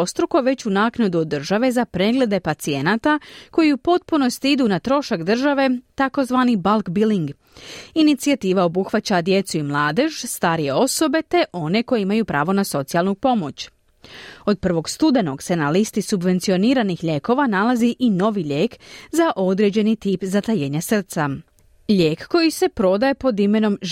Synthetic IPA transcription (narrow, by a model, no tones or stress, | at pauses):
ost̪ɾuko̞ʋe̞t͡ɕunaːknad̪uod̪ːr̩ʒaʋe̞zapɾe̞ɡle̞d̪e̞pat̪sie̞naːt̪ako̞jiupo̞t̪̚puno̞st̪id̪unat̪ɾo̞ʃakd̪r̩ʒaʋe̞t̪ako̞zʋaːnibalˠkbiliŋɡ | init̪siat̪iːʋao̞buxʋat͡ɕad̪je̞t̪suimlˠaːd̪e̞ʃst̪aːɾije̞o̞so̞be̞t̪e̞ʔo̞ne̞ko̞jeimajupɾa̰ːʋo̞naso̞t̪sijalˠnupo̞mo̞̰t͡ɕ | o̞d̪̚pr̩ʋo̞ɡst̪ud̪e̞no̞ɡse̞nalist̪isubʋe̞nt̪sio̞niːɾanixʎʲe̞ko̞ʋanalaziʔino̞ʋiʎe̞ːkzaʔo̞d̪ɾe̞d͡ʑe̞nit̪iːpzat̪ajeːɲasr̩t̪sa | ʎʲe̞ːkːo̞jise̞pɾo̞d̪ajepo̞d̪ime̞no̞m